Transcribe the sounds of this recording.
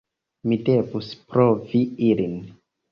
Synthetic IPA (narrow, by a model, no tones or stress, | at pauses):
mide̞vuspɾoviilin